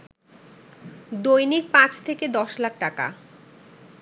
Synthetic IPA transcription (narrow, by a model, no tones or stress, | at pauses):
d̪ojniɾpãt͡ɕʰt̪ʰeked̪ɔʃlak̚ʈaka̰